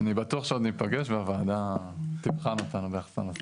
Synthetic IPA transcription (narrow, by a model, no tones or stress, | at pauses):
anibatuaχʃeod̪nipaɡeʃveavaːd̪a | t̪ipχanat̪anobeaχsa̰nos